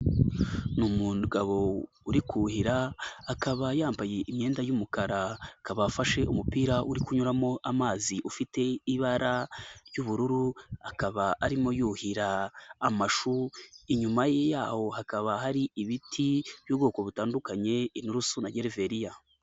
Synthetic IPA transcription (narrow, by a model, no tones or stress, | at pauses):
numuɡaβo̞ | uɾikuhiɾaːkaβajaːmbaje̞ʔimɲe̞ːndajumukaɾakaβaːfaʃe̞ʔumupiːɾaʔuɾikuɲuɾamo̞ʔamaːziʔufite̞iβaɾaɾjuβuɾuɾuakaβaaɾimo̞juːhiɾaːmaʃuiɲumajejaːho̞hakaβaɦaɾiiβitʰiβ̥juːβɡo̞ːko̞βutaːndukaɲe̞inuɾusunaɟeɾeve̞ɾija